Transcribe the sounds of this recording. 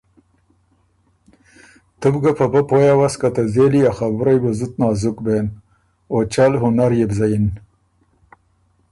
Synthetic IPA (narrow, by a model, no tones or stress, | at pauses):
t̪ubɡapabapojawaskat̪azeliaxabɾajbezut̪̚nɑːzukben | ot͡ʃalɦʊnaɾjebzajin